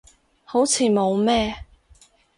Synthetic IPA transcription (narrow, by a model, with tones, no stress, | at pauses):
ho˨˥wt͡sʰiː˨˧mo˨˧wmɛː˥